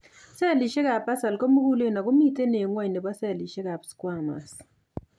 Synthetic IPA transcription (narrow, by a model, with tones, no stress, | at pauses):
sɛ˦˨li˨ʃe˦ka˨pa˦sa˨lko˦mu˦ku˦le˦˨na˨kʊ˦mi˦te˦ne˨ŋwa˦ɲne˨bɔ˦sɛ˦˨li˨ʃe˦ka˨pskwa˦˨ma̰˨s